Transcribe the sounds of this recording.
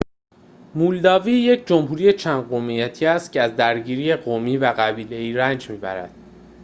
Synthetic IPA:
muːld̪ɒːviːje̞cʰd͡ʒo̞mhuːɾije̞t͡ʃʰænd̪ɢomijæt̪ʰiːæst̪̚cʰeæzd̪æɾɟiːɾiːje̞ɢomiːvæɣæbiːle̞iːɾænd͡ʒmiːbæ̰ɾæ̰d̪̥

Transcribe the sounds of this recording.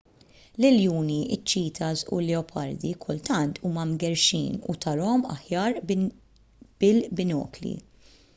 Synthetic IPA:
lɪljuːniʔɪt͡ʃːiːt̪ʰɐzʔṵlɛɔpʰɐɾd̪ikʰʊlt̪ɐnt̪ʰuːmɐmɡɛɾʃḭːnṵt̪ʰɐɾɔɔmɐ̰ħjɐːɾ | b̥ɪlbɪnɔ̰ːklḭ

